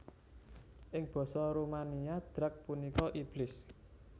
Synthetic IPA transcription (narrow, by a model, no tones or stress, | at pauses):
ʔɪŋb̥ɔ̤sɔɾumaniad̪̥ɾak̚punikɔʔib̥lɪs